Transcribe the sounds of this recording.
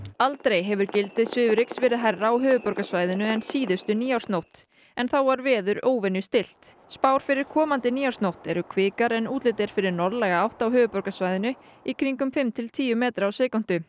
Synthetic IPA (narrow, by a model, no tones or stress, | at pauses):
alt̪ɾejɦɛvʏɾcɪlt̪ɪðsvɪːvʏɾɪksvɛːɾɪðɦajrːaawɦœːvʏpɔɾkasvaːjðɪnʏɛnsiːðʏst̪ʏniːaw̥snowht̪ | ɛnθawvaɾvɛːðʏɾoːwvɛnjʏst̪ɪl̥t̪spawɾ̥fɪɾɪɾ̥kʰɔːmant̪ɪniːawst̪nowht̪ɛɾʏkʰvɪːkaɾɛnuːt̪lɪt̪ɛɾ̥fɪɾɪɾnɔɾðlɛɣaawht̪awɦʏːvʏpɔɾkasvajðɪnʏ | ikʰɾiŋkʏmfɪmt̪ʰɪlt̪ʰiːjʏmɛːt̪ɾaːwsɛːkɔn̥t̪ʏ